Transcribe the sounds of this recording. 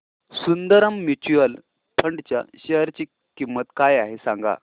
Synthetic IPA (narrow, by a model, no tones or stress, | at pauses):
sund̪əɾəmːit͡ɕuəl | pʰəɳɖt͡ɕja̰ɕəɦəɾt͡ɕiː | kimːət̪kajaɦesãŋɡa̰